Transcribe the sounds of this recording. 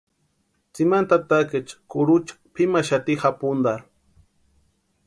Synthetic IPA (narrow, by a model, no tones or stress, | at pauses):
t͡simant̪at̪akɪt͡ʃkʊɾut͡ʃḁpʰimaʃat̪ixapʊnd̪aɾ